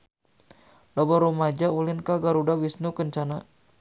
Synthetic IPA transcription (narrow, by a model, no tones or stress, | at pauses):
lɔbɔɾumad͡ʒaulɪnkaɡaɾudawisnukəɲt͡ʃana